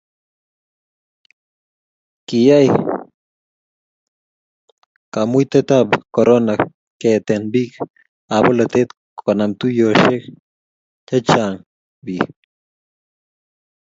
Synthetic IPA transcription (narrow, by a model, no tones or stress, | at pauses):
kijaj | kamujt̪et̪abkoɾonak | ket̪enbik | abolat̪et̪ | kʰonamt̪ujoʃek | t͡ʃat͡ʃaŋ | bi